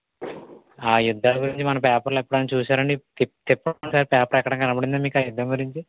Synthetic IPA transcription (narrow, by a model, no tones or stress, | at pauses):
aːjud̪ʱːaːɡuɾiɲt͡ʃimɐnɐpɛːpɐɾloepːuɽaːnit͡ʃuːsaːɾɐɳɖit̪it̪ɛpːɐɳsaːɾipɛːpɐɾɛkaːɽɐŋɡɐnɐbɐɽind̪oːmiːkaːjud̪ʱːɐŋɡuɾiɲt͡ʃi